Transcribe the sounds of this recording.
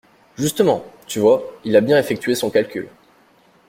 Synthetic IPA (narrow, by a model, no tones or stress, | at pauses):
ʒyst̪əmɑ̃t̪yvwailabjɛ̃efɛk̚t̪ɥesɔ̃kalkʲyl